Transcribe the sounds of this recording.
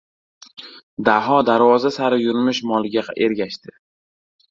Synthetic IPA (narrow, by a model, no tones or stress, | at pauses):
d̪aɦɒd̪aɾvɒzasaɾɪjʊɾmɪʃmɒlˠɪɡʲaeɾɡʲaʃt̪ɪ